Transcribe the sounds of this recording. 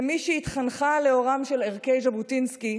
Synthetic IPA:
miʃɛit̪χanχale̞o̞ʁamʃeleʁkejʒabutinski

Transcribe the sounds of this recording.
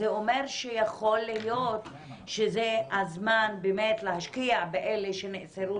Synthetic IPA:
eomeʁʃejaχo̞lːijot̪ | ʃezehazmanbemet̪leɦaʃkiabeʔeleʃeneʔt͡seɾu

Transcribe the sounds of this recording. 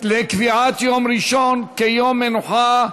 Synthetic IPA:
lekviʕat̪jomɾiʃonkejomːenuħa

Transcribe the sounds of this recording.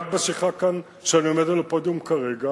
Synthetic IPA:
d̚besiχakːan | ʃeaniomed̪alepod̪jumkaʁeɡa

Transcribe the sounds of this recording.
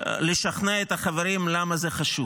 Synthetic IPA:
leʃaχneet̪haχaveɾimlamazeχaʃu

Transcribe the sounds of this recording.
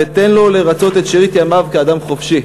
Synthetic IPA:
et̪enlo̞leʁat͡so̞t̪et̪ʃiʁit̪jamavkead̪amχo̞fʃi

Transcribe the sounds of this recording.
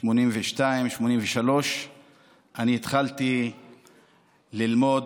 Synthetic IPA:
ʃmo̞nimveʃtaimʃmo̞nimveʃalo̞ʃ | ʔaniːt̪χalti | lilmo̞d

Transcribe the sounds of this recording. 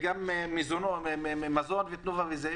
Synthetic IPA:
ɡamemizonoeeemazo̞nvet̪nuvaveza

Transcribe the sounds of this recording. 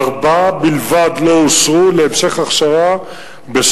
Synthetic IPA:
ʁbabilvad̪lo̞ːsʁuleemʃeχaχʃaʁa | bes

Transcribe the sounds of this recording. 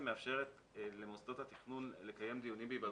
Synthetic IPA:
meafʃeʁet̪ | lemost̪od̪hat̪iχnuːnlekajemd̪ijunimbeibad̪

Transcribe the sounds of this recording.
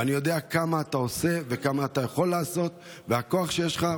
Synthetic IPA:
anijo̞d̪e̞akamaːt̪ao̞se̞ve̞kamaːt̪ajaχo̞lːaːso̞t̪ | vehako̞aχʃejeʃχa

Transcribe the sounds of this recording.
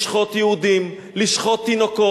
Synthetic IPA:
ʃχot̪jɛhud̪im | liʃχot̪ːinoko

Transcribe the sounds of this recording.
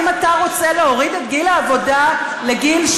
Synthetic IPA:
mataʁo̞t͡seleoʁidetɡilaːvo̞da | le̞ɡilʃ

